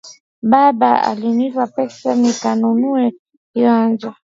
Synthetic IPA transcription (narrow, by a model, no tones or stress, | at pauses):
baba̰a̰limivapɛsamikanonuɛ | janzɔ